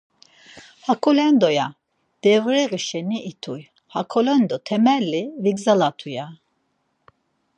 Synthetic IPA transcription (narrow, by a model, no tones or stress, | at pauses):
hakʰɔlɛnd̪ɔja | d̪̥ɛvɾɛɣiʃɛniʔit̪ʰuj | hakʰɔlɛnd̪ɔt̪ʰɛmɛlːiviɡzalat̪ʰuja